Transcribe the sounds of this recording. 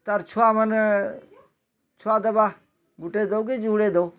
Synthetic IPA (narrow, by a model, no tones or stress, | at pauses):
t̪ɐɾt͡ʃʰuamən | t͡ʃʰʊad̪əba | ɡʊʈed̪oked͡ʒuːɽed̪oː